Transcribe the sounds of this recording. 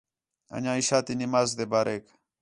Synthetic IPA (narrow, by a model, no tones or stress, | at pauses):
a̰ɲãiʃat̪inimazd̪ebaɾʔek